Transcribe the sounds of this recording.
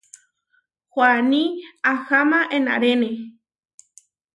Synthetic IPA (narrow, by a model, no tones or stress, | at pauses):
xʷwanĩaxamãʔẽnã̰ɾenẽ